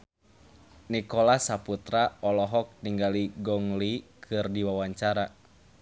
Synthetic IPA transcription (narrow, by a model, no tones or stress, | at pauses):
nikɔlasaput̪ɾaɔlɔɦɔk̚niŋɡaliɡɔŋlikʰɨrdiwawaɲt͡ʃaɾa